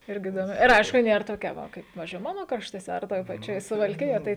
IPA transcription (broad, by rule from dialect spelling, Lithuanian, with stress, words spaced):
ˈɪrʲɡʲɪ ɪdoːˈmʲɪ ɪr ˈɐɪʃkʊ ˈnʲeːr toːˈkʲɛ ˈʋɐ ˈkɐɪp ˈpɑːʋʲɪzʲd͡ʒʲʊɪ ˈmɑːnoː krɐʃtuɔˈsʲɛ ɐr ˈtoːj pɐˈt͡ʃʲoːj sʊʋɐlʲˈkʲɪjoːj tɐɪ